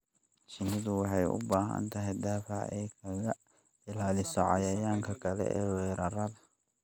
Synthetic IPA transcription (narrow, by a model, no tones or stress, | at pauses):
t͡ʃɪnɪðʊwɑħɑjʊ̰baːɦɐ̰nt̪ʰɐɦɛjd̪aːfɑ̰ʕɛ̰jkʰɐɣɐ | ɪlaːlɪsɔʕɑ̰jɐjaːŋkʰɐkʰɐlɛ̰ʔɛːwɛːɾɐrɐðɐ